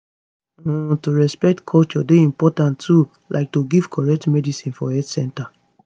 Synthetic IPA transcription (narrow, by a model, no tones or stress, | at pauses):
toɹɛspɛk̚tkʰɔlt͡ʃɔdeĩmpɔtãntːu | lʔa̰ɪk̚toɡiv̥kʰɔɹɛk̚tmɛdisĩnfɔɛtsɛ̃nta